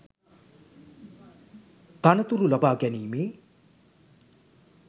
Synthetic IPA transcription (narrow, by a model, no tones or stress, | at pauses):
t̪anət̪uɾulabaːɡɛniːmeː